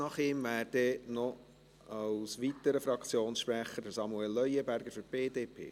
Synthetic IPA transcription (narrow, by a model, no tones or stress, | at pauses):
nɑχɪːmʋæːɾdɛnɔ | ɑwsʋit̪əɾəfɾɑkt͡sjoːnsʃpɾɛχədəsɑmuɛlːœjəbæɾɡ̥əɾfyɾb̥eːdeːpʰḛː